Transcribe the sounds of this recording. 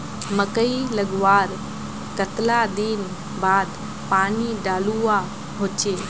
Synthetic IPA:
məkəiləɡʋaːɾ | kət̪lad̪in | baːd̪ | paːniɖaːlua | ɦoːt͡ʃeː

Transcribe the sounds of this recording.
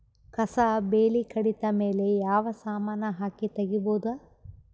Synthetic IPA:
kɐsɐbeːlikʰɐɽit̪ɐmeːlejaːʋɐsaːmaːnɐɦaːkit̪ɐɡiboːd̪a

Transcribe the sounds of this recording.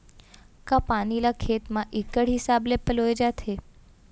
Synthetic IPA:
kapanilakʰet̪mãʔikəɽɦisablepəloed͡ʒat̪ʰe

